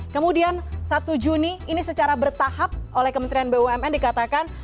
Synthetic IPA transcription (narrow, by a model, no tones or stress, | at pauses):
kəmudiansat̪ud͡ʒuniːnisət͡ʃaɾabərt̪aɦap̚ʔolɛhkəmənt̪ɾianbeuɛmɛndikat̪akan